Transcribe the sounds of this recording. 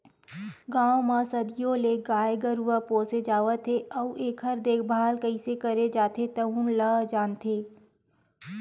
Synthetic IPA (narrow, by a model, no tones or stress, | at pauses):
ɡãːwmãsɐd̪ɪjõleɡaːjɡəɾʋəpoːsed͡ʒaːʋət̪ʰeʔɔuʔeːkɦɐɾd̪eːk̚ʰbʱaːlkəɪsekəɾed͡ʒaːt̪ʰet̪ɐɦunləd͡ʒaːnt̪ʰeː